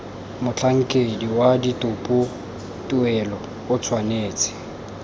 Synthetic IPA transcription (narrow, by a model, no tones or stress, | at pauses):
mʊt͡ɬʰaŋ̩kʼediwaditʼʊpʼʊ | tʼuɛlɔ | ʊt͡sʰwaneːt͡sʼɪ̥